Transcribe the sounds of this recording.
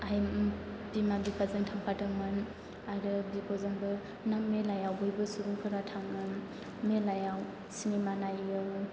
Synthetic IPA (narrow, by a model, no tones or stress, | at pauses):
ajbimabikʰazɯŋtʰaŋpʰatʰɯŋmɯn | aɾɯbikʰɔzaŋbɯ | nammelajawbɯjbɯsuɾuŋkʰɯɾatʰaŋmɯn | melajaw | sinimanajɯw